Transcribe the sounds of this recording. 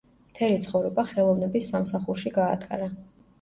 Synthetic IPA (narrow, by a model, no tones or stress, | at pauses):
mt̪ʰɛlit̪sʰχɔvɾɛbaχɛlˠɔvnɛbisːamsaχuɾʃiɡa̰ːt̪ʼa̰ɾa